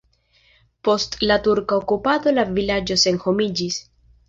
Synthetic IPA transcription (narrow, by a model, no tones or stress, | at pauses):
po̞stlatuɾkaokupado̞lavilad͡ʒo̞se̞nho̞mid͡ʒis